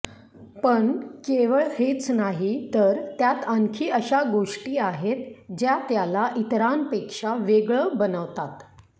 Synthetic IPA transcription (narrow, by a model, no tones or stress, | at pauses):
pəɳkeʋəɭhet͡snaɦit̪əɾt̪jat̪əŋkʰiːəɕaɡoʂʈiːaɦet̪d͡ʑjat̪jalaʔit̪ɾanpekʂaʋeɡɭəːbənəʋt̪at̪